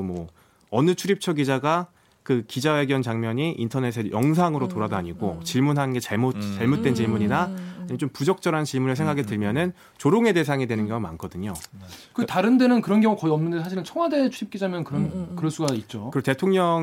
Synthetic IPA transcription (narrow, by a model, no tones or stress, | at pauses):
mwʌ | ʌnɯt͡ɕʰuɾip̚t͡ɕʰʌɡid͡ʑaɡa | kɯkid͡ʑawe̞ɡjʌnt͡ɕaŋmʌɲiʔintʰʌne̞s̬ʰejʔʌŋs̬ʰaŋɯɾotoɾadoaɲiɡot͡ɕiɭmunɦannɡe̞t͡ɕaɭmot͡ɕaɭmot̚t͈we̞nt͡ɕiɭmuɲinaaɲit͡ɕompud͡ʑʌk̚t͡ɕ͈ʌɾɦant͡ɕiɭmunɯɭsʰeŋɡakʰetɯɭmjʌnɯn | t͡ɕoɾoŋe̞de̞s̬ʰaŋedwe̞nɯnɡjʌŋuma̰nkʰʌdɯɲokɯtaɾɯnde̞nɯnkɯɾʌnɡjʌŋukʌiʌmnɯnde̞sʰaɕʰiɾɯnt͡ɕʰʌŋwade̞t͡ɕʰuɾip̚k͈id͡ʑamjʌnkɯɾʌnkɯɾʌɭs͈uɡait̚t͡ɕ͈okɯte̞tʰoŋɲʌŋ